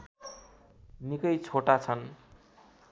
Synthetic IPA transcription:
nikʌjt͡sʰoʈat͡sʰʌn

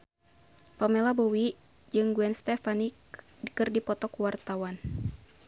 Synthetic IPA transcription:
pamɛlabɔwi | d͡ʒɨŋɡuɛnst̪ɛfanik | dikɨrdipɔt̪ɔkuwart̪awan

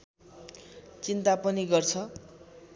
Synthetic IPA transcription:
t͡sint̪apʌniɡʌrt͡sʰʌ

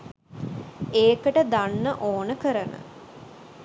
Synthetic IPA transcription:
eːkəʈəd̪anːəʔoːnəkəɾənʔə̰

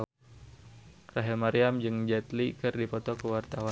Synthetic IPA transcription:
raɦilmaɾiamd͡ʒɨŋd͡ʒɛt̪likɨrdipɔt̪ɔkəwart̪awa

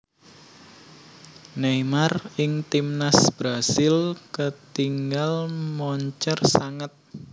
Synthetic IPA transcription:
nemarɪŋt̪imnasb̥ɾasɪlkət̪iŋɡalmɔɲt͡ʃərsaŋət̪̚

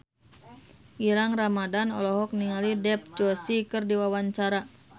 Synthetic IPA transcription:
ʔiɾaŋramadanɔlɔɦɔk̚niŋalidɛp̚d͡ʒɔsikɨrdiwawaɲt͡ʃaɾa

